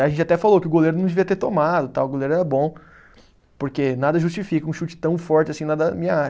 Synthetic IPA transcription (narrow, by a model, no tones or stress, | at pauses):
aʒẽnt͡ʃɪat̪ɛfalokɪʊɡoleɾʊnɐ̃w̃d̪eviɐt̪eɾt̪omad̪ʊt̪awʊɡoleɾʊɛɾɐbõ | poɾkenad̪ɐʒust͡ʃifikɐũʃut͡ʃɪ̥t̪ɐ̃w̃fɔɾt͡ʃɪɐsĩnad̪ɐmĩɐa